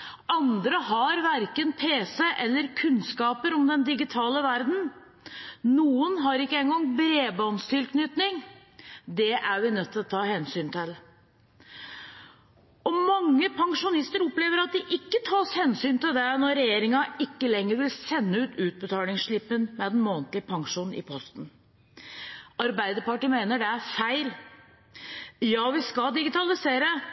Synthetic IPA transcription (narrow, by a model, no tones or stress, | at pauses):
ɑnd̪ɾəɦɑɾʋæɾkənpʰeːsəʔɛlːəɾkʰʉnskɑːpəɾɔmd̪ɛnd̪ɪɡɪt̪ʰɑːləʋæɾd̪n̩ | nuːənɦɑɾɪkːəɛŋɡɔŋbɾeːbɑnst̪ʰɪlkʰnʏt̪nɪŋ | d̪ɛʔæɾʋɪnœt̪ʰːɪlɔt̪ʰːɑːhɛnsyːnt̪ʰɪl | ɔmɑŋːəpʰɑŋʂʊnɪst̪əɾɔpleːʋəɾɑt̪̚d̪ɪʔɪkːət̪ʰɑːshɛnsyːnt̪ɪld̪ɛnɔɾɛjeːɾɪŋɑɪkːəlɛŋːəɾʋɪlsɛnːəʉːt̪ʉːt̪̚bət̪ʰɑːlɪŋsʂɭɪpːənmɛd̪ɛnmoːnt̪lɪəpʰɑŋʂuːnn̩ʔɪ̰pʰɔst̪n̩ | ɑɾbæɪd̪əɾpɑʈəmeɪnəɖɛæɾfæɪl | jɑːʋɪskɑd̪ɪɡɪt̪ʰɑlɪseːɾə